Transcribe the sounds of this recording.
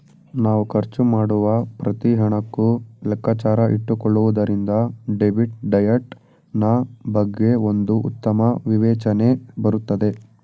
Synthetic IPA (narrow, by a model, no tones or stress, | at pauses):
naːʋukʰɐɾt͡ʃumaːɽuʋɐpɾɐt̪iɦɐɳɐkːulɐkːaːt͡ʃaːɾɐʔḭʈːukɔɭːuʋud̪ɐɾind̪ɐɖeʋiʈɖɐjɐʈ | nɐbɐɡːe̞o̞nd̪uʔṵt̪ːɐmɐʋiʋɛːt͡ʃɐne̞bɐɾut̪ːɐd̪e̞